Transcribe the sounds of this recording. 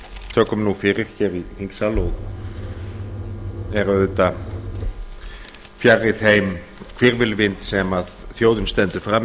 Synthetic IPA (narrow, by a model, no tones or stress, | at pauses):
t̪ʰœːkːʏmnufɪɾɪɾ̥çɛɾihiŋksalɔɣ | ɛɾaʏt̪a | fjarːɪθejm | kʰv̥ɪɾvɪlvɪnt̪sɛmaðθjoːwðʏnst̪ɛnt̪ʏ̥fɾam